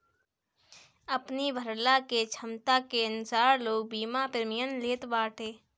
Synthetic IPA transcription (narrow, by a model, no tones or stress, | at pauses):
əpnibʱəɾlaket͡ʃʰəmt̪akeənʊsaːɾloːɡ̚biːmapɪɾmɪjənleːt̪baːʈʰeː